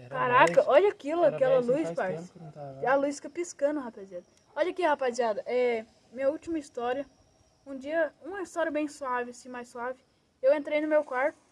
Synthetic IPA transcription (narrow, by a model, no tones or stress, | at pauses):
kaɾakɐʔɔʎɐakilʊakɛlɐlujspaɾsɐlujsfi̥kɐpiskɐ̃nd̪ʊhapaziad̪ɐ | ɔʎɐkihapaziad̪ɐʔɛ | mĩɲɐuwt͡ʃimɐist̪ɔɾiɐ | ũd͡ʒiɐũmɐist̪ɔɾiɐbẽj̃suavɪɐsĩmajsːuavɪ | ewẽnt̪ɾejnʊmewkwaɾt̪ʊ̥